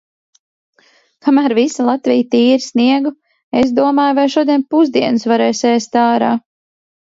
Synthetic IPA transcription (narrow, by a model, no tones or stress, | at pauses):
kʰamæːɾvisalˠat̪vʲijt̪iːɾisniɛɡu | esd̪uɔmaːjvajʃuɔd̪iɛnpuzd̪iɛnusvaɾɛːseːst̪aːɾaː